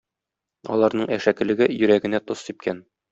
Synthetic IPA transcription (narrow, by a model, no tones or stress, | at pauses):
ɒ̰lˠɑɾnɤɴæʃækɘ̆lɘ̆ɡɘjɵ̆ɾæɡɘ̆næt̪osip̚kʰæn